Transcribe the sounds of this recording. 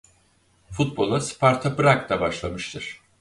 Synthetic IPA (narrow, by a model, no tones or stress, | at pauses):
fut̪̚bo̞lˠaspʰaɾt̪ʰabɯɾakt̪ˠabaʃlˠamɯʃt̪ʰɯɾ̥